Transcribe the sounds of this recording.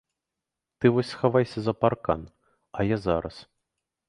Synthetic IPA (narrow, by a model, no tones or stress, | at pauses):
t̪ɨvɔsʲsxavajsʲɐzɐparka̰n | ɐjazaɾɐs